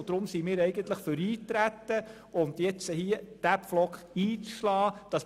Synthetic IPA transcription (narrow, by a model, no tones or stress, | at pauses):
d̥̪ɾʊmsimɪːɾɛɪɡənt̪ləχføɾiːtɾæt̪ːə | ʊnd̪jɛt͡səhiəd̥æpflɔkχiːt͡sʃlɑːd̥ɑs